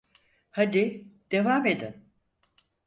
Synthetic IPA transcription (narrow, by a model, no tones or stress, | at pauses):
had̪id̪̥e̞vaːmed̪in